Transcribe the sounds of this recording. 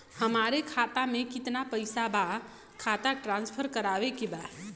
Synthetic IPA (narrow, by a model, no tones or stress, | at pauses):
həmaɾekʰat̪amekit̪napəɪsaba | kʰat̪aʈɾãnspʰəɾkəɾabekeba